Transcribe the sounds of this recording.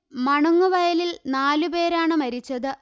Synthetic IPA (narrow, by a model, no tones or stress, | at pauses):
mɐɳuŋːuʋɐjɐlilnaːlupe̞ːɾaːɳɨmɐɾit͡ɕːɐðɨ